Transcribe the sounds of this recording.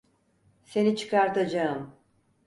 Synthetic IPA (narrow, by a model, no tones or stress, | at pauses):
se̞nit͡ʃʰɯ̥kʰaɾt̪ad͡ʒaɯm